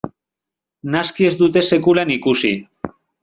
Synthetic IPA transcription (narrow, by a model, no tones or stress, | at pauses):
naskie̞zd̪ut̪e̞se̞kulanikusi